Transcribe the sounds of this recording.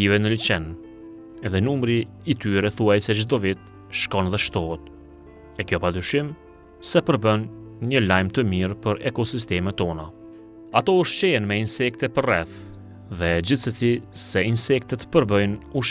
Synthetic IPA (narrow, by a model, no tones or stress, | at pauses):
ivɛnəlit͡ʃɛn | ɛðɛnumɾiː | t̪yɾɛθuajsɛd͡ʒd̪ɔvit̪ | ʃkɔnðɛʃt̪ɔɦɛt̪ | ɛkjɔpad̪ɾyʃim | sɛpəɾbənɲəlajmt̪əmiɾpəɾɛkɔsis̬t̪ɛmɛt̪ːɔna | at̪ɔuʃt͡ʃɛɛnmɛinsɛk̚t̪ɛpərɛθ | ðɛd͡ʑiθsəsisɛinsɛkt̪ɛt̪pəɾbœjnuʃ